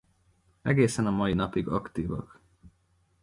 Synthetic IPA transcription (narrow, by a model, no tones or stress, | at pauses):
ɛɡeːsɛnɒmɒjinɒpiɡɒkt̪iːvɒ̰k